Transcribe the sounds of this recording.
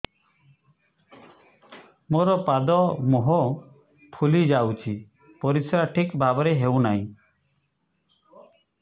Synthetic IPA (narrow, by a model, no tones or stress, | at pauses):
moɾɔpad̪ɔmoɦɔ | pʰulid͡ʒawt͡ʃʰi | pɔɾisɾaʈʰikbʱabɔɾeɦewnaḭ̃